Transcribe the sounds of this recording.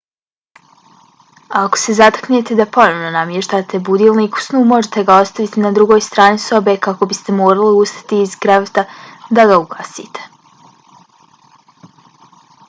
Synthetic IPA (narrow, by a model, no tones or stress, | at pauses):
aako̥se̞zat̪ḁknet̪ed̪apo̞noʋno̞namjeʃt̪aːt̪e̞bud̪iːlˠniːku̥snuːmo̞ʒet̪e̞ɡao̞st̪aʋit̪inad̪ɾuɡo̞ːjst̪ɾaːniso̞be̞kako̞bist̪e̞moːɾaliust̪ḁt̪iːzɡɾaʋet̪ad̪aɡauɡa̰ːsḭːt̪ʰe̥